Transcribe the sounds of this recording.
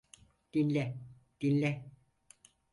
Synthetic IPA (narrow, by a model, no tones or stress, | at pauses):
d̪̥inʲlʲɛ | d̪̥inʲlʲɛ